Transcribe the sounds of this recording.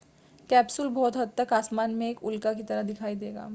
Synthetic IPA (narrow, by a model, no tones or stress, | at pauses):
kɛːpsʊlbɔːt̪ɦɐd̪̚t̪ɐkaːsmaːnmẽeːkʊlkakit̪ɐɾəɦd̪ɪkʰaːid̪eːɡa̰ː